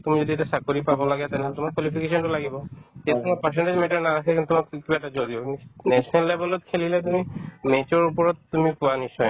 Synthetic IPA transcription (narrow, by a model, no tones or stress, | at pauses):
tumizodiɛtasakoɹipabɔlaɡɛt̪ɛnɛɦɔlɛtumaɹkwɔlipʰikesɔntʊlaɡibɔtijakʰɔŋɔpaɹsɛnʈezmɛtɔɹnaasɛkinttumakibatazodijɔnɛsɔnɛlːebɛlɔt̚kʰelilɛtumimet͡ʃɔɹupɔɹɔtːumipuwanisɔj